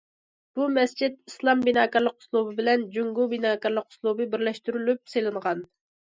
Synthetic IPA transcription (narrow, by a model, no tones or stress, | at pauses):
b̥umɛst͡ʃʰit̪̚islˠɑmbinɑːkɑɾlˠəqʰʊ̥slˠubɨbɪlɛnd͡ʒuŋɡubinɑːkɑɾlˠəqʰʊ̥slˠubɨbɪɾlɛʃt̪yɾylyp̚selˠɨɴʁɑn